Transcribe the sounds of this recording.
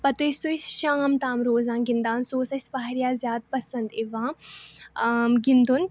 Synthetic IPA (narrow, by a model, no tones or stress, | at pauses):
pɐt̪ɐsoisʃaːmt̪ãːmɾoːzãːnɡind̪aːnsoːsɐsʲbɐːɾjaːzjaːd̪̚pɐsɐ̃nd̪iʋãː | ɡĩnd̪un